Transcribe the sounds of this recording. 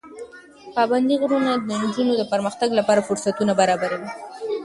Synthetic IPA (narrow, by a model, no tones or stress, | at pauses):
pɑband̪iɣɾunad̪ənd͡ʒunod̪əpəɾməxt̪aɡlapɑɾafʊɾsat̪unabaɾɑbaɾawi